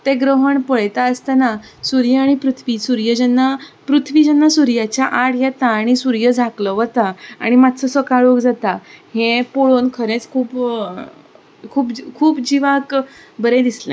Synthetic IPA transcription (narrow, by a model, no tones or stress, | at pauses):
t̪eɡɾəɦəɳpəɭjt̪aəst̪anasuɾjəaɽ̃ipɾut̪ʰʋiːsuɾjəd͡ʑɛnːapɾut̪ʰʋiːd͡ʑɛnːasuɾjat͡ɕjaʔaɽjɛt̪aːɽ̃isuɾjəd͡zʱaklɔʋət̪aa̰ɽ̃imat̪t͡səsʋəkaɭukd͡zat̪ahẽpoɭonkʰəɾet͡skʰuːp | kʰuːpkʰuːpd͡ʑiʋak | bəɾẽd̪islḛ̃